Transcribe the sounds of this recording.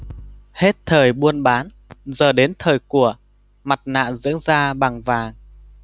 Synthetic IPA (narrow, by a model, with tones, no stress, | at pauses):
he˦˥t̚t̪ʰəː˨˩jɓu˧ənɓaː˨˦n | zəː˨˩ɗe˨˦nt̪ʰəː˨˩jku˧˩ə | ma˨˩t̚na̰ː˧˨nzɨ̰˧˥əŋzaː˧ɓa˨˩ŋvaː˨˩ŋ